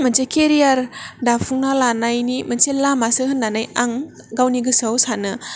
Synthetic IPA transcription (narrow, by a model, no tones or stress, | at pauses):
mɐnsekeɾijaɾdapʰuŋnalanajnimɐnselamasɯhɯnːanajaŋ | ɡawniɡɯsawsanɯ